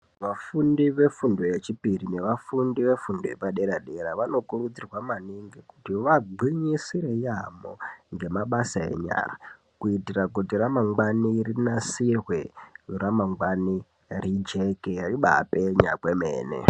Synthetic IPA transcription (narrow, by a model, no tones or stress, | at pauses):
ʋafundiʋe̞fundo̞jet͡ʃipirine̞ʋafundiʋe̞fundojepaɗe̞ɾaɗe̞ɾaʋano̞kurud͡zirwamaniŋɡikutiʋaɡ͡ǃʱwiɲisiɾe̞jamo̰ŋɡe̞maɓasaḛɲa̰ːra̰ | kuitirakutiramaŋɡwanirinasirweuramaŋɡwani | rid͡ʒe̞keriɓa̰peɲa̰kwemḛːnḛ